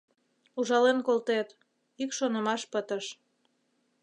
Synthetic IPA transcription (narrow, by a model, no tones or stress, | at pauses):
uʒɑlenkolt̪et̪ | ikʃonə̆mɑʃpət̪əʃ